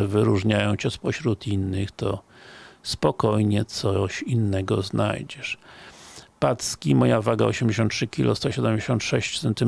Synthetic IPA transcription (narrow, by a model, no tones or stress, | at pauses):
vɘɾuʐɲajɔ̃w̃t͡ɕɛspɔɕɾut̪ʰinːɘxt̪ɔ | spɔkɔjɲɛt̪sɔɕinːɛɡɔznʔa̰jd͡ʑɛʂ | pat̪skʲimɔjavaɡa̰ɔɕɛmd͡ʑeɕ̬ɔ̃nt̪ʂɘkʲilʔɔ̰st̪ɔɕɛd̪ɛmd͡ʑeɕɔnt̪ʂɛɕt͡ɕsɛnt̪ɘ